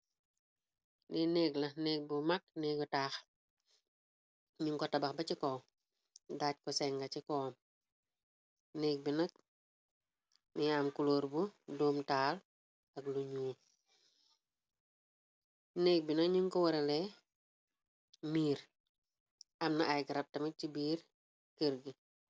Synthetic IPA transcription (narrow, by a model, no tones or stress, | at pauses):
nineːɡlɐnɛːk̚bumak̚nɛːɡɔtaːx | ɲiŋkɔtɐbɐxbɐcikɔː | daːc̚kɔsɛŋɡɐcikɔːm | neːk̚binɐk̚ | niamkuloːɾbudoːmtaːl | ɐkluɲuː | neːk̚binɐk̚ɲiŋkɔwɐɾɛlɛ | miːɾ | ɐmnɐʔajɡɐɾɐp̚tɐmicibiːr | kəɾɡi